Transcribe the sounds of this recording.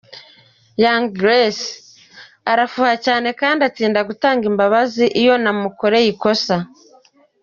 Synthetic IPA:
jaŋɡɾes | aɾafuːhacaːne̞kaːndiat͡siːndaɡutaːŋɡimbaβaziʔijo̞namuko̞ɾe̞jiko̞sa

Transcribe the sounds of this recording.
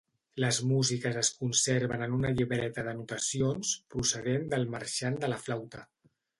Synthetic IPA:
ləzmuzikəzəskunseɾβənənunəʎiβɾɛt̪əðənut̪əsionspɾusəðend̪əlˠməɾʃand̪ələflawt̪ə

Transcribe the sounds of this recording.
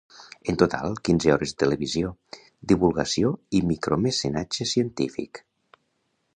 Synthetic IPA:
ent̪ot̪a̰lˠkinzeɔɾezðət̪eleβizio | d̪iβulˠɣəsioimikɾomesenad͡ʒesiənt̪ifḭk

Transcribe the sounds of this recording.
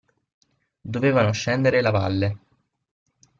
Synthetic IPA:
d̪oveːvanoʃːɛnd̪eɾelava̰lːe

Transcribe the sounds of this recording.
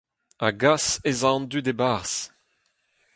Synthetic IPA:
aɡasezɑ̃nd̪yd̪ebaʁs

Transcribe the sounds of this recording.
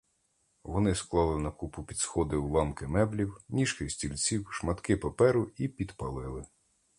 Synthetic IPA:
ʋɔnɪsklˠɑlˠɪnɐkupʊpʲid̪sxɔd̪ɪulˠɑmkɪmɛblʲiwnʲiʃkɪsʲtʲilʲt͡sʲiwʃmɐt̪kɪpɐpɛɾʊipʲid̪pɐlˠɪlˠɪ

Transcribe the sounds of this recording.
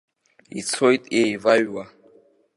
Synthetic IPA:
ḭt͡sʰojtʼejvaɥwa

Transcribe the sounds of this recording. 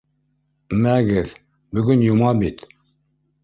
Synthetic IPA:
mæɡɛθ | bɵɡynjumɑbit̪

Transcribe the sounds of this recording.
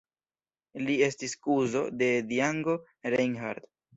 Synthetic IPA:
lie̞stiskuzo̞̰de̞diaŋɡo̞ | ɾeŋɦa̰ɾd

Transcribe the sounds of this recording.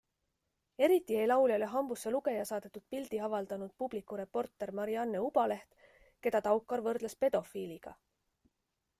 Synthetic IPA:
e̞ɾit̪ːˑie̞jlɑwljɑleɦɑmbusːeluɡe̞jɑsɑːd̪̥e̞t̪ːˑud̪̥̚pild̪̥iɑvɑld̪̥ɑnud̪̥̚pub̥likːˑuɾe̞po̞rt̪ːˑe̞ɾmɑɾiɑnːeub̥ɑle̞ht̪ | ke̞d̪̥ɑt̪ɑwkːˑɑɾvɤrd̪̥lespe̞d̪̥o̞filiɡ̥ɑ̰

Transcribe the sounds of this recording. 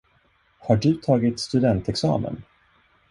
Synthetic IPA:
haɖɵt̪ʰɑːɡɪt̪st̪ɵd̪ɛnt̪ɛksɑ̰ːmə̰n

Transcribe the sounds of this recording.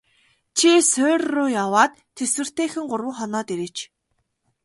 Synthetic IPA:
t͡ɕʰisʊːrːʊːjawaːt̪ʰːeswɘ̆r̥t̪eːxɘ̆ŋɢʊrwə̆ŋχɔnɔːt̪iɾĕt͡ɕ

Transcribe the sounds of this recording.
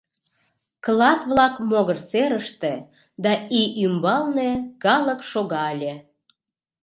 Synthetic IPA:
klɑt̪βlɑkmoɣərt͡seɾəʃt̪e | d̪ɑiʔymbɑlnekɑləkʃoɣɑlʲe

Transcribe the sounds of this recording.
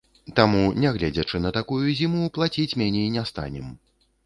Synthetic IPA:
t̪amunʲɛɣlʲɛd͡zʲɐt͡ʂɨnɐt̪akujuzʲimuplˠat͡sʲit͡sʲmʲanʲɛinʲɛst̪a̰nʲɛm

